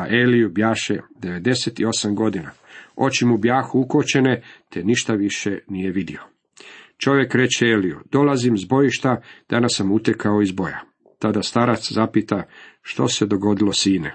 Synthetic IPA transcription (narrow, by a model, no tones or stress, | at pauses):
aʔelijubjaːʃed̪e̞ʋe̞d̪e̞set̪io̞samɡo̞d̪inao̞t͡ɕimubjaːxuukot͡ɕe̞ne̞t̪eniʃt̪aʋiʃenijeʋid̪io̞ | t͡ʃo̞ʋje̞kɾe̞t͡ɕeelijṵd̪̥o̞lazimzbo̞jiʃt̪ad̪̥anasːamut̪ekao̞izbo̞ja̰ | t̪ad̪ast̪aɾat̪szapit̪aʃt̪o̞se̞d̪o̞ɡo̞d̪ilo̞siːnḛ